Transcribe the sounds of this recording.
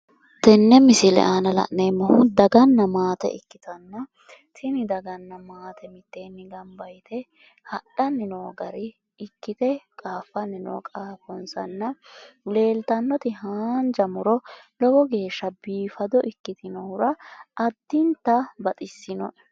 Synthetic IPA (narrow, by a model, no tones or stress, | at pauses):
t̪ɛnːɛmɪsɪlɛ̰ʔaːnɐlɐ̰ʔneːmːɐhʊd̪ɐɡɐnːɐmaːt̪ɛ̰ʔɪkːɪt̪ɐnːɐ | t̪ʰɪnɪd̪ɐɡɐnːɐmaːt̪ʰɛmɪt̪ːeːnːɪɡɐmbɐjt̪ɛ | hɐɗɐnːɪnoːɡɐɾɪː | kːɪt̪ɛkʼaːfːɐnɪno̰ːkʼaːfɔnsɐ̰nːɐle̞ːlt̪ɐnːɔt̪ɪhaːnd͡ʒɐmʊɾɔlɔɡɔɡe̞ːʃːɐbiːfɐd̪ɔʔɪkːɪt̪ɪnɔhʊɾɐɐd̪ːɪnt̪ːɐbɐt̪ʼɪsːɪnɔ̰ʔɛ